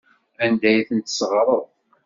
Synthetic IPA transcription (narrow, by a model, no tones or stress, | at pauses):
ænd̪æjθənt̪sʁɾˤəðˤ